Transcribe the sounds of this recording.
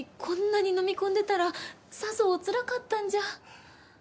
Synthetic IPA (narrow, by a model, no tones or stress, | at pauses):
kʰõ̞nːaɲ̟ino̞mʲikõ̞nd̪e̞t̪aɾa | sasoːt͡sɨɾakat̪ːãɲ̟d͡ʑa